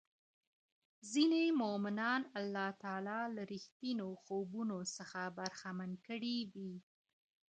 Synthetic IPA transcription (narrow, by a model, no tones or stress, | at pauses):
zinemomɪnɑnalːɑt̪ɑlɑlaɾixt̪inoxobunosəxabaɾxamankəɽidi